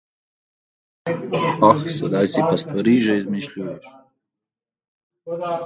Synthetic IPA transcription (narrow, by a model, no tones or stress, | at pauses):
axsɐd̪ajsipɐst̪vɐɾiʒɛizmiʃlʲujɛʃ